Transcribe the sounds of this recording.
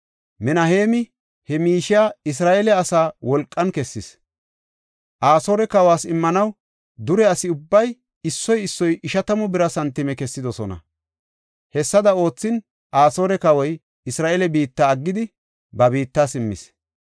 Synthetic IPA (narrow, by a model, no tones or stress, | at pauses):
mɛnɐheːmɪ | hɛmiːʃɪjaːɪs̬ɾaːʔɛlɛɐsaːwɔlkʼːɐnkɛsːɪs | ʔaːso̞ːɾɛkɐwaːsɪmːɐnɐw | d̪ʊɾɛɐsɪʊbːɐj | ɪsːɔjɪsːɔjʔɪʃɐt̪ɐmʊbɪɾɐsɐnt̪ːɪmɛkɛsːɪd̪ɔsɔnɐ̰ | hɛsːɐd̪ɐo̞ːt͡sːɪn | ʔaːso̞ːɾɛkɐwɔj | ɪsɾaːʔelɛbiːt̪ːaːɐɡːɪd̪ɪ | bɐbiːt̪ːaːsɪmːɪ̰s